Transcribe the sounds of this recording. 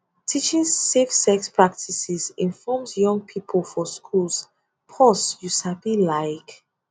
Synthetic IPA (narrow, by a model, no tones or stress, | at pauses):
tʰit͡ʃĩŋsːefsɛkspʰɹak̚tʰisizĩnfɔmsjɔ̃ŋpʰipʰəlˠfɔskʰuls | pʰɔsjuʃabilaɪk